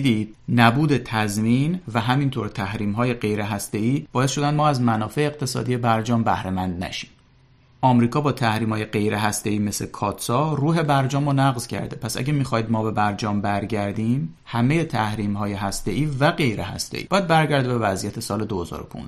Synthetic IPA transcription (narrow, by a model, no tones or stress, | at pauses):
d̪iːd̪̥̚næbuːd̪e̞t̪ʰæzmiːnvæɦæmint̪ʰoːɾt̪ʰæhɾiːmɦɒːjeɢe̞jɾe̞ɦæst̪e̞iːb̥ɒːjesʃod̪ænd̪mɒːæzmænɒːfe̞eːqt̪ʰe̞sɒ̰ːd̪ije̞bæɾd͡ʒɒːmbæhɾe̞mænd̪næ̰ʃi̥ːm | ʔɒːmɾiːkʰɒːbɒːt̪ʰæhɾiːmhɒːje̞ɢe̞jɾʔeɦæst̪e̞iːme̞slekʰɒːt̪sɒːruːɦe̞bæɾd͡ʒɒːmonæɣzcʰæ̰ɾd̪epʰæsæ̰ɟemixɒjd̪̚mɒːbe̞bæɾd͡ʒɒːmbæɾɟæɾd̪iːm | hæme̞je̞t̪ʰæhɾiːmhɒːjeɦæst̪e̞ʔiːvæɡe̞jɾehæ̰st̪ḛiːbɒːjæd̪̚bæɾɟæɾd̪ebe̞væzijæt̪ʰe̞sɒːle̞d̪ohezɒ̰ːɾopʰṵnz